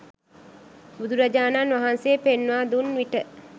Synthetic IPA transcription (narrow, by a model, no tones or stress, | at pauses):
bud̪uɾad͡ʒaːnanʋaɦanseːpenːʋaːd̪unʋiʈə